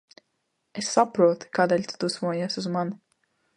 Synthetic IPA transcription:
esːapɾuɔt̪kaːd̪elʲt̪u̥t̪usmuɔjasuzman

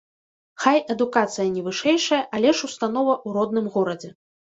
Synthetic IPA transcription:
xajɛd̪ukat̪sɨjɐnʲɛvɨʂɛjʂɐjɐʔalʲɛʂust̪anɔvɐʔuɾɔd̪̚nɨmɣɔɾɐd͡zʲɛ

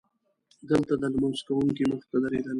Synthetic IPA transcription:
d̪əlt̪ad̪almʊnsk̪awuŋkiməxt̪ad̪aɾed̪al

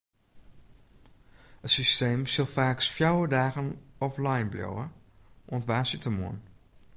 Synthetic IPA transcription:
ətsysteːmsilˠfaːksfjawədaːɣənɔflajnbljo̰wə | ʔɔntʋaːsitəmṵən

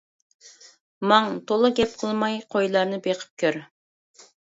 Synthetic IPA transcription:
mɑŋt̪ʰolˠɨɡʲɛp̚qʰəlˠmɑjqʰojlˠɑɾnɨbeqʰə̥p̚kʲʰøɾ

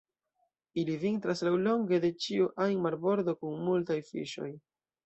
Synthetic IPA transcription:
ilivintɾaslawlo̞ŋɡe̞de̞t͡ʃiuʔajmaɾbo̞ɾd̪o̞kunmultajfḭʃo̞̰j

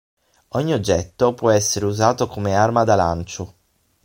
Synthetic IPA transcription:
ɔɲːiod͡ʒːɛt̪ːopwɔɛsːeɾeuzaːt̪okomearmad̪alant͡ʃo

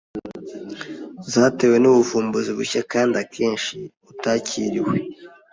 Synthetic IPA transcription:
zaːte̞we̞nuβuvuːmbuziβṵçakaːndakʰe̞ːnʃi | utaːcʰiɾiwe

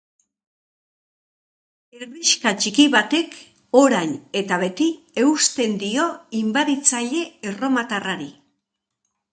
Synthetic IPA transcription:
eriʃkat͡ʃikiβat̪e̞k | o̞ɾajne̞t̪aβ̞e̞t̪i | e̞ust̪e̞nd̪io̞imbaðit͡saʎe̞ːro̞mat̪araɾi

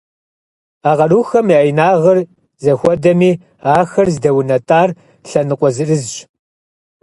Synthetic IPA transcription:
aːʁɐruːxɐmiajnaːʁɐr | zɐxʷɔdɐmiː | aːxɐrzdɐwʊnɐtʼaːr | ɬɐnɨqʷʼɔzɨrɨzɕ

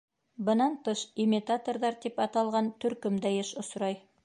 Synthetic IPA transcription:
bə̆nɑnt̪ɤʃimʲit̪at̪o̞rd̪ɑɾt̪epɑt̪ɑlˠʁɑnt̪ʰɵɾkɪmd̪æjeʃʊsɾɑj

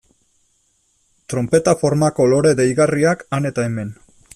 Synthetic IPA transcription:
t̪ɾo̞mpe̞t̪afo̞ɾmako̞lo̞ɾe̞ðejɣariakane̞t̪aeme̞n

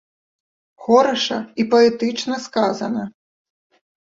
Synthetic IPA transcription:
xɔɾɐʂɐ̰ipɐɛt̪ɨt͡ʂnɐskazɐnɐ

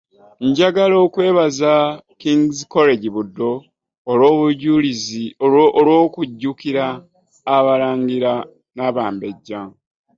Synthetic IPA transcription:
ɲɟaɡalo̞ːkwe̞ːβazakiŋɡizko̞le̞ɟiβudːo̞ː | lwo̞ːβuɟuliziolwo̞ːkuɟːukiɾaː | βaɾaːŋɡiɾa | naβaːmbe̞ɟːa

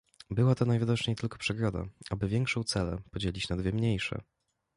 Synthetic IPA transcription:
bɘwat̪ɔnajvid̪ɔt͡ʂɲejt̪ɘlkɔ̥pʂɛɡɾɔd̪a̰abɘvʲjɛŋkʂɔ̃w̃t̪sɛlɛ̰pɔd͡ʑelʲit͡ɕnad̪vʲɛmɲejʂɛ̰

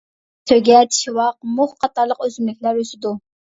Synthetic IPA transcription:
t̪ʰøɡʲɛt̪ʃiwɑq̚mʊχqʰɑt̪ʰɑɾlˠəqøzymlɪkʲlæɾøsɪd̪u

